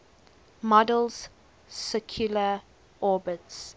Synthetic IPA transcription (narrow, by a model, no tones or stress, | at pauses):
mɔdəlz̥ | sɛkʰjulə | ʔɔːbəts